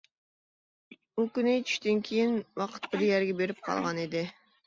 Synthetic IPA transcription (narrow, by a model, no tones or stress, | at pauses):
ukʲynɪt͡ʃʰy̥ʃt̪ɪnkʲʰejinwɑqʰə̥t̪̚bɪɾjɛɾɡʲɛbeɾɪp̚qʰɑ̰lˠʁɑnid̪ɪ